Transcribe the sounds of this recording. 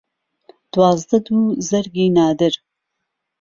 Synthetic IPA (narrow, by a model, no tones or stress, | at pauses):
d̪̥wɑːzd̪ɐd̪uːzɐɾɡiːnɑːd̪ɨɾ